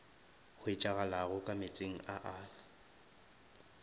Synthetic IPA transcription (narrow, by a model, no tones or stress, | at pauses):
ɣʊɪt͡ʃʼaɣalaɣʊkʼamɪt͡sʼeŋ̩aʔaːlʊ